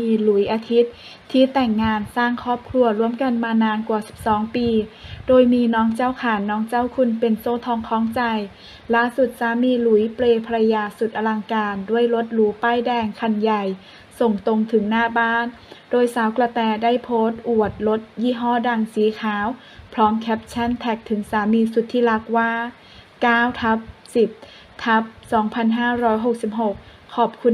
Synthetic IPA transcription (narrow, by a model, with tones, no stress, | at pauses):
iː˧lu˨˩˦jʔaː˧t̪ʰi˦˥t̪̚ʰː | iː˧˥˩t̪ɛ˨˩ŋːaː˧nsaː˥˩ŋkʰɔː˥˩p̚kʰlu˧ɐɾu˥˩əmka˧nmaː˧naː˧nkwa˨˩si̥˨˩p̚sɔː˩˦ŋpiː˧doː˧jmiː˧nɔː˦˥ŋt͡ɕa˥˩wkʰaː˨˦nːɔː˦˥ŋt͡ɕa˥˩˨wkʰu˧˥npe˨nsoː˧˥˩t̪ʰɔː˧ŋkʰɔː˧˥ŋt͡ɕa˧j | laː˧˥˩su˨˩t̪̚saː˨˦miː˧lu˩˦jpleː˧pʰa˧ɾa˧jaː˧su˨˩t̪̚ʔa˧la˧ŋkaː˧ndu˥˩əjlo˧˦˥t̪̚luː˨˦paː˧˥˩jdɛː˧ŋkʰa˧˩nja˨˩j | so˨˩ŋt̪o˧ŋt̪ʰɯ˩˦ŋnaː˥˩baː˥˩n | doː˧jsaː˩˦wkla˧t̪ɛː˧da˥˩jpʰoː˦˥t̪̚ʔu˨˩ət̪̚lo˦˥t̪̚jiː˥˩ɦɔː˥˩da˧ŋsiː˩˦kʰaː˩˦w | pʰɾɔː˦˥mkʰɛ˦˥p̚t͡ɕʰa˥˩nt̪ʰɛ˨˩k̚t̪ʰɯ˩˦ŋsaː˩˦miː˧su˨˩t̪ʰːiː˥˩la˦˥k̚waː˥˩ | kaː˥˩wt̪ʰa˦˥p̚si˨˩p̚ | t̪ʰa˦˥p̚sɔː˩˦ŋpʰa˧nɦaː˥˩ɾɔː˦˥jɦo˨˩k̚si˨˩p̚ɦo˨˩k̚ʰːɔː˨˩p̚kʰu˧